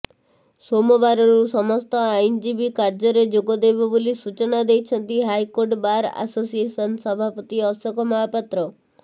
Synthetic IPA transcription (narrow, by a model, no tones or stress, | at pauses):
somɔbaɾɔɾusɔmɔst̪ɔajnd͡ʒibikaɾd͡ʒɔɾed͡ʒoɡɔd̪ebɔbolisut͡ʃɔnad̪ejt͡ʃʰɔnt̪iɦajkoɾʈbaɾa̰sosiesɔnsɔbʱapɔt̪iɔsɔkɔmɔɦapat̪ɾɔ